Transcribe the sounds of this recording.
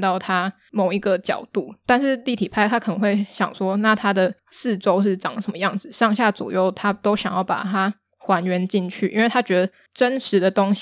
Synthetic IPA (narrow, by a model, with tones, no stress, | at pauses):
t̪ɑ˥˩ʊt̪ʰa˥ | mo˨˩ʊi˧˥ɡə˨t͡ɕjɑ̰˨˩ʊt̪u˥˩t̪a˥˧nʂɻ̩˥˧li˥˩t̪ʰi˨˩pʰa˥˧ɪt̪ʰa˦˥kʰə˨˩nə˧˦ŋxwe˥˩ɪɕjɑ̰˨˩ŋswɔ˥na˥˩t̪ʰa˥d̪ə˨sɹ̩˥˩ʈ͡ʂo˥ʊʂ̬ɻ̩˥˩ʈ͡ʂɑ˨˩ŋə˩ʂə˧˦mə˧jɑ˥˩ŋd͡zɹ̩˨˩ʂɑ˥˧ŋɕja˥˩t͡swɔ̰˨˩jo˥˩ʊt̪ʰa˦˥t̪o˥ʊɕɑ˨˩ŋjɑ˥˩ʊpa̰˨˩t̪ʰa˥ | xwa˧˦nɥɛ˧˥nt͡ɕi˥˧nt͡ɕʰy̰˥˩i˥nwe˥˩ɪt̪ʰa˥t͡ɕɥɛ˧˥d̪ə˨ | ʈ͡ʂə˦nʂɻ̩˨˦d̪ə˨t̪o˥ŋɕ